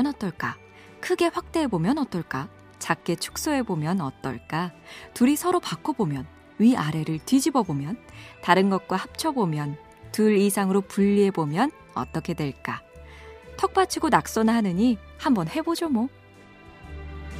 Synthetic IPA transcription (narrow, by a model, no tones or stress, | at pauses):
ʌnʌt͈ʌɭk͈a | kʰɯɡe̞ɸwak̚t͈e̞ːbomjʌnʌt͈ʌɭk͈a | t͡ɕak̚k͈e̞t͡ɕʰu̥k̚s͈oe̞bomjʌnʌ̰t͈ʌ̰ɭk͈atuɾisʰʌɾopakʰːobomjʌn | ɥiaɾe̞ɾɯɭtɥid͡ʑibʌbomjʌntaɾɯnɡʌt̚k͈wahap̚t͡ɕʰʌbomjʌn | tuɾisʰaŋɯɾopuʎːie̞bomjʌn | ʌ̰t͈ʌkʰe̞dwe̞ɭk͈a | tʰʌk̚p͈at͡ɕʰiɡonak̚s͈ʌnɯɭɦanɯɲi | hambʌnhe̞bod͡ʑomo